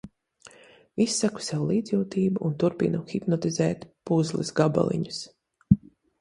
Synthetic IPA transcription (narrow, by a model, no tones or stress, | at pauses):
isːaku̥sawlˠiːd̪zjuːt̪iːbuʔunt̪uɾpḭnuxipnɔt̪izɛːt̪puzlˠisɡaba̰lˠḭɲus